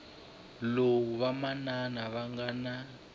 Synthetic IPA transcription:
lowuβamananaβaŋɡana

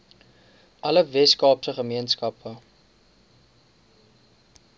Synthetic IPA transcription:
ʔɐləvɛskɑːpsəχəmiənskɐpʰə

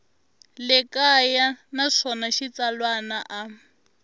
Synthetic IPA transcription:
lɪkajanaʂɔnaʃit͡salwanaʔa

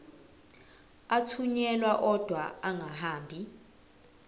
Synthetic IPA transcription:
atʰuɲɛlwaʔɔd̥ʱwaaŋʱaɦaːmbʱi

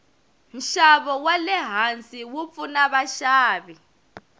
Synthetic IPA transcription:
m̩ʃaβɔwalɛɦant͡sʼiwup̪funaβaʃaːβi

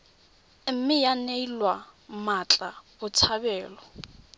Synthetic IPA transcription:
m̩mɪjaneilwamat͡ɬʼabʊt͡sʰabɛːlɔ

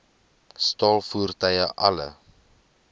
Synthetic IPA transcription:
stɑːlˠfuərtəjəʔɐlə̰

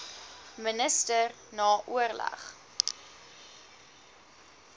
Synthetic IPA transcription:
mənəstər | nɑːʔuərlɐ̰χ

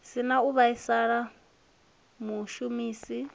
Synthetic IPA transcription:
sinauβaisaɺa | muʃumiːsi

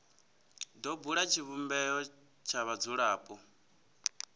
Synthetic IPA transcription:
dɔbuɺat͡ʃʰiβumbɛɔ | t͡ʃʰaβad͡zuɺaːpʼɔ

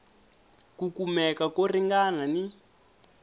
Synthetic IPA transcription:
kukumɛkakoriŋɡanani

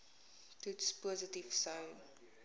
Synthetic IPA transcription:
tutspuəzətifsɐw

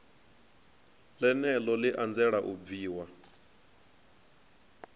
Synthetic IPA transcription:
lɛnɛlɔliʔand͡zɛɺaʔub̪viːwa

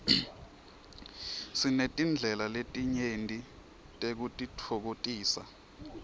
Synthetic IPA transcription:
sinetʼind͡ɮʱɛlaletʼiɲentʼi | tʼek̬utʼitʰok̬otʼiːsa

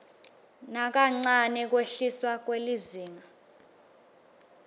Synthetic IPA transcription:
nak̬aŋ͡ǀanɛk̬weɬiswak̬weliziːŋa

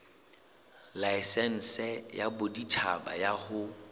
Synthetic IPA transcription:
laɪsɛn̩sɛjabʊdit͡ʃʰaba̰jahʊ

